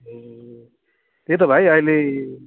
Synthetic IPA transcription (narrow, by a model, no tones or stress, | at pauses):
t̪et̪̬ʌbʱajʌile